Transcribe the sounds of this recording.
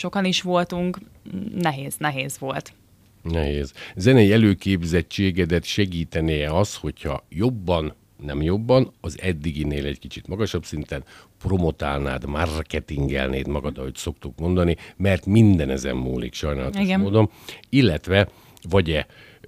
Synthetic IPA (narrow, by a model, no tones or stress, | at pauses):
ʃo̞kɒniʃʋo̞lt̪uŋk | nɛɦeːz̥nɛɦeːzʋo̞lt̪ | nɛɦeːzzɛnɛjiɛløːkeːbzɛct͡ʃːeːɡɛd̪ɛt̪ʃɛɡiːt̪ɛnejɛɒsho̞chɒ̰jo̞bːɒnː | ɛmjo̞bːɒnɒzɛd̪ːiɡineːlɛckit͡ʃit̪mɒɡɒʃɒbsint̪ɛnpro̞mo̞t̪a̰ːna̰ːd̪markɛt̪iŋɡɛ̰lnḛːt̪mɒɡɒd̪ɒɦoc̪so̞kt̪ukmo̞nd̪ɒnimɛrt̪mind̪ɛnɛzɛ̰mːṵːlḭkʃɒjnaːlɒt̪iɡmoːd̪o̞m | ilːɛt̪ʋɛ | vɒɟɛ